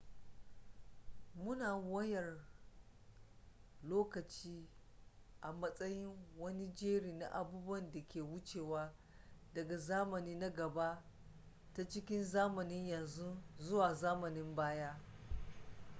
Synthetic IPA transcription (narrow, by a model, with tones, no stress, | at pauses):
mʊ˦naː˨wɐ˦jɐ˨r | loː˦kɐ˨t͡ʃiː˦ | ʔa˨mɐ˦sʼɐ˦jɪ˦ŋwɐ˦ni˦d͡ʒeː˦ɽiː˨na̰˨ʔa̰˨buː˦bwɐ˦nda˨kʲeː˨wʊ˦t͡ʃeː˨waː˦ | dɐ˨ɡa˨zaː˦mɐ˨niː˦na˦ɡɐ˨ba˦ʔ | ta˦t͡ʃɪ˦kʲɪ˦nzaː˦mɐ˨nɪ˦ɲjɐ˨nzu˦zʊ˦waː˨zaː˦mɐ˨nɪ˦mbaː˦jaː˦